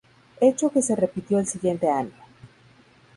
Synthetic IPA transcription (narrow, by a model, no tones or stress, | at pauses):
e̞t͡ʃo̞ke̞se̞re̞pit̪jo̞elsiɣje̞nt̪e̞aɲo